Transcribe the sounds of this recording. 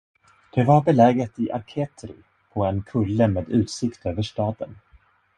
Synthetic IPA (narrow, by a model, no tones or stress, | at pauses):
d̪̥ɛvaɾbɛlɛːɡət̪ɪʔa̰ɾkʰeːt̪ɾɪ̰ | pʰɔɛnkʰɵlːəmeːd̪ʉ̟ːt̪sɪkt̪øːvəʂʈɑːd̪ən